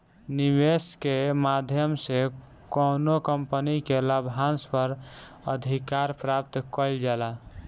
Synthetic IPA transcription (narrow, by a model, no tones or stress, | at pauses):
niweskemad̪ʱjəmse | kɔnokəmpənikeləbʱɦanspəɾ | ə̰d̪ʱikaɾpɾap̚t̪kəld͡ʒala